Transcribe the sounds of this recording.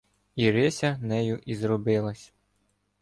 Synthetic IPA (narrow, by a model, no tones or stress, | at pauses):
iɾɪsʲɐnɛjʊʔizɾɔbɪlˠɐsʲ